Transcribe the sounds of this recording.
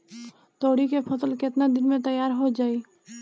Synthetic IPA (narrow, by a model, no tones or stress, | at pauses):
t̪oːɽikepʰɐsəlkɪt̪nad̪ɪnmẽt̪əjːaːɾɦod͡ʒaːiː